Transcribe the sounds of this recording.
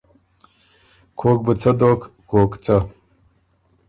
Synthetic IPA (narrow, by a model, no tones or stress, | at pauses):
kʷʰok̚ʼbɨt͡sʰɐdoːkʰkʰʷokʷʼt͡sʼɐ